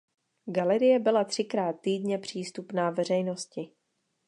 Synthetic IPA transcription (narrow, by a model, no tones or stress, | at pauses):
ɡalɛɾɪjɛbɪlat̪r̝̥ɪkɾaːt̪ːiːdɲɛpr̝̥iːst̪upnaːvɛr̝ɛjno̞scɪ